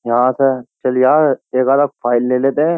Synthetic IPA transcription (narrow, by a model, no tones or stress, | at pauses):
ɦãːsət͡ʃɐljaːeːkaːd̪ak̚fʰaːɪlːeːleːt̪eɦɛ̃